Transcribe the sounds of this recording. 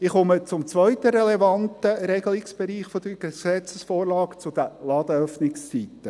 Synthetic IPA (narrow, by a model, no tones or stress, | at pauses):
ɪχɔmət͡sʊmt͡sʋœʏtəɾɛlɛvɑntəɾɛɡəlɪksb̥ɛɾiːχfod̪əɡesɛt͡səsfoːrlɑːkt͡sʊd̪əlɑd̪əœfnɪkst͡sit̪ːə